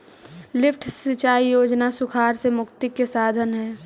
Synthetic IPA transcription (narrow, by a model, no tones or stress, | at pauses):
lɪpʰʈʰsɪt͡ʃaːijoːd͡ʒnasʊkʰaːɾsemʊkt̪ɪkːesaːd̪ʱənɦɛː